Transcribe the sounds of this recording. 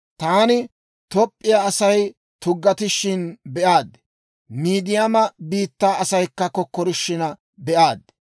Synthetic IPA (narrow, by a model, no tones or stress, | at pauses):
t̪aːnɪ | t̪ɔpʼːɪjaɐsɐj | t̪ʊɡːɐt̪ɪʃɪnbɛʔaːd̪ | miːd̪ɪjɐmɐbiːt̪ːaːɐsɐjkːɐkɔkːɔɾɪʃːɪnɐ | bɛʔaːd̪